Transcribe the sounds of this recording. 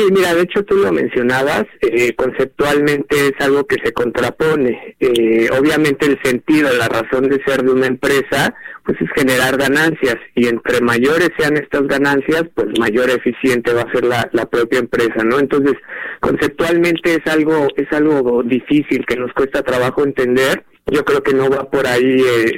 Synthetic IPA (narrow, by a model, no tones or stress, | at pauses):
simiɾaðe̞et͡ʃo̞t̪ulo̞mẽ̞̰nsjo̞naβ̞aseko̞nsep̚t̪walmẽ̞nt̪e̞esalɣo̞ke̞se̞ko̞nt̪ɾapo̞ne̞eo̰β̞jamẽnt̪e̞ːlse̞nt̪ið̞o̞laraso̞nd̪e̞se̞ɾðeunaempɾe̞sapwe̞se̞sxe̞ne̞ɾaɾɣanansjasie̞nt̪ɾe̞maʝo̞ɾe̞sːe̞ane̞st̪azɣanansjaspwe̞zmaʝo̞ɾefisje̞nt̪e̞βaːse̞ɾlalapɾo̞pjaempɾe̞sano̞ent̪o̞ns̬e̞sko̞̰nse̞p̚t̪walmẽ̞nt̪e̞esalɣo̞e̞salɣo̞ðifisilke̞no̞skwe̞st̪at̪ɾaβaxo̞e̞nt̪e̞nd̪e̞ɾ | ɟ͡ʝo̞kɾe̞oke̞no̞βapo̞ɾaie